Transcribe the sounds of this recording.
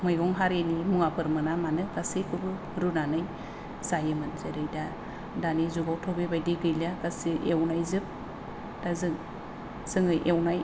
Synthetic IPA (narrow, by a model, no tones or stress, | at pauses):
mɯjɡɔŋɦaɾenimuŋapʰɯɾmɯnamanɯɡasikʰɯbɯ | ɾunanɯj | zajɯmɯnzɯɾejda | danizuɡawtʰɔbebajdiɡɯjlaɡasiʔewnajzɯp̚ | d̥azɯŋ | z̥ɯŋɯjʔewnaj